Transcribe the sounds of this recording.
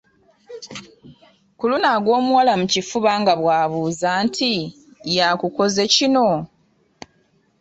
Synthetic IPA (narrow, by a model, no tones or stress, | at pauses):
kulunaɡwo̞ːmuwalamucifuβaːŋɡaβwaːβuːzaːntʰi | jakuko̞ze̞cino̞